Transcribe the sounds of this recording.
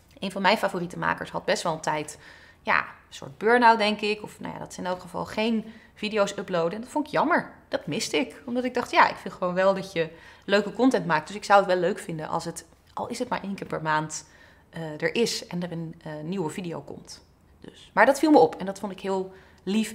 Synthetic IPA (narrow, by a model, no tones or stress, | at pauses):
ʔejnvɑnmɛjnfaːvoritəma̰ːkə̰ɹsɦɑd̚bɛstʋɛlˠtɛjt | ja̰ːəsʊ̰ːɹd̚bøːɹnawtdɛŋkɪkɔfna̰wja̰ːdɑtɪ̥sɪnowtəχəvɑ̰lˠχejn | vidijowsɵplowdəɛndɑtfɔntɪkjɑməɹd̥ɑtmɪstɪkɔmdɑtɪɡ̚dɑχtjaːʔɪ̰kfɪnlˠχəʋownʋɛlˠdɑcjəløɥkəkɔntɛntmaːk̚d̥ɵsɪksawətʋɛløɥkfɪndə̰nʔɑ̰lˠsət | ʔɑ̰lˠɪsɦətmaːɹʔejŋkɪːɹpɛɹmaːnt | dəɹʔɪsɛnəɹənnːiwəvidijo̰wkɔ̰mt | d̥ø̰smaːɹdɑtfilˠməɔpʰɛndɑtfɔntɪkɦɪːlˠ | lif